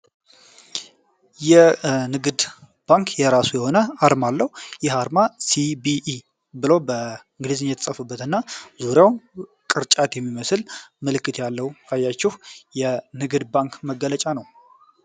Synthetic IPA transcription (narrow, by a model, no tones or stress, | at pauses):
jɛnɨɡɨd̪ | b̥aŋkʰjɛɾasujɛho̞nəaɾmalːəhujɛɦaɾmasibiʔ | bɨləwbəɨŋɡlizɨnjɛt̪ʰəsʼəfɨbːət̪ɨnːazuɾjaw | kʼɨɾt͡ʃʼat̪jɛmːiməslməlɨkːɨt̪ʰjalːəwkʰajːat͡ʃːɛhjɛnɨɡɨd̪baŋkməɡːələt͡ʃʼanəw